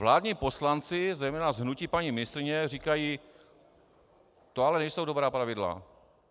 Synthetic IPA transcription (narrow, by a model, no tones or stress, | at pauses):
vlaːdɲiːpo̞slant͡sɪzɛjmɛːnazɦnucipaɲimɪnɪst̪ɾɪɲɛr̝iːkajiː | t̪oalɛnɛjsowdo̞bɾaːpɾavɪdla̰